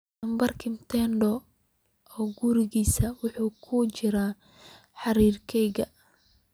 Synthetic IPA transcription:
ɐmbɐrkʰɪmt̪ʰɛnɖɔ | ɔːɡʊɾɪɣiːsɐwʊħuːkʰʊt͡ʃɪɾaː | ħɑɾiːrkʰɛjɣɐ̰

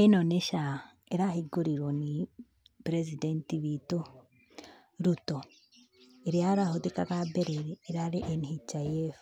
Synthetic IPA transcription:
enoneʃa | eɾahiɡoɾiɾwoni | pɾezidentiβito | ɾuto | eɾjaɾahodikakabeɾeɾeːɾaɾiʔenihit͡ʃajefḁ

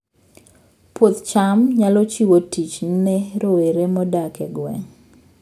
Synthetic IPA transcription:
pwot̪t͡ʃamɲalɔt͡ʃiwotit͡ʃnɛɾoweɾemɔdakɛɡwɛ̰ŋ

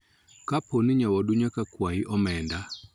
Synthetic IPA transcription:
kaponɪɲawɔduɲakakwaiʔɔmɛnda

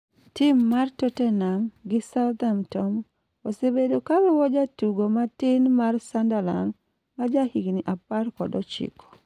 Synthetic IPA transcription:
tɪmːartotɛnamɡɪsald̪amtɔm | osebedokawɛwɔd͡ʒatuɡomatɪnmarsandala̰n | mad͡ʒahiɡniʔapaɾkɔ̰dɔt͡ʃḭkɔ̥

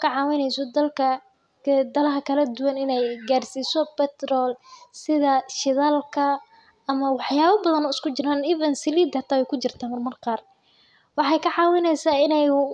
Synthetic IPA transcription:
kʰɐʕɑːwɪnɛjsɔd̪ɐlkʰɐ | d̪ɐlɐɦɐkʰɐlɐd̪ʊwɐnɪnɛjɡaːrsiːsɔpɛt̪ɾɔːlsɪðɐʃɪðaːlkʰɐ | ɐmɐwɑħjaːβɐbɐðɐnɔːɪskʊt͡ʃɪɾaːniːvɐnsɪliːd̪hɐt̪ʰaːjɛkʰʊt͡ʃɪrt̪ʰaːmɐrmɐrqɑːr | wɑħɑːjkʰɐʕɑːwɪnɛjsaːɪnɛj

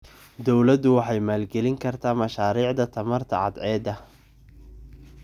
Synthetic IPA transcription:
d̪ɔwlɐd̪ʊwɑħɑjmaːlɡɛlɪŋkʰɐrt̪ʰaːmɐʃaːɾiːʕd̪ɐt̪ʰɐmɐrt̪ʰɐ̰ʕɑ̰d̪ʕɛːd̪ɐ

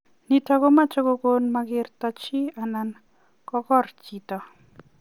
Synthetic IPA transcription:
nitakomat͡ʃɔkokonmaɡɪɾtɔt͡ʃianan | kɔkɔɾt͡ʃitɔ

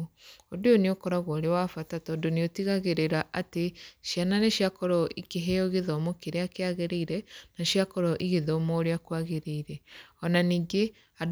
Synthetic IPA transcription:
odojoneokɔɾaɣwɔɾewafatatɔːndoneotiɣaɣeɾeɾaʔateʃjananeʃiakɔɾɔʔikeɦɛɔɣeðɔmokeɾeakeaɣeɾeiɾɛnaʃiakɔɾɔʔiɣeðɔmɔoɾeakwaɣeɾeiɾɛɔnaniːŋɡe | ad

